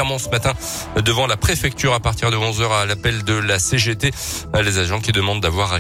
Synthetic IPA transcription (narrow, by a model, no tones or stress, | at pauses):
ɛʁmɑ̃səmat̪ɛ̃ | d̪əvɑ̃lapχefɛk̚t̪yʁapaʁt̪iʁd̪əɔ̃zœʁalapɛld̪əlaseʒet̪elezaʒɑ̃kʲid̪əmɑ̃d̪ːavwaʁa